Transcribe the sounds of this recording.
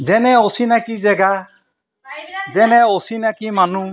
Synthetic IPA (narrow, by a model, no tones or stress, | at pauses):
d͡ʒɛnɛosinakid͡ʒɛɡa | d͡ʒɛnɛosinakimanu